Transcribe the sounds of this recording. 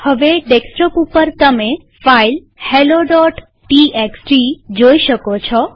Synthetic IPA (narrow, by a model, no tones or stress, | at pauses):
həʋeɖeksʈɔpupəɾt̪əme | fail | heloɖɔʈ | ʈieksʈɾid͡ʒoiʃəkot͡ʃʰɔ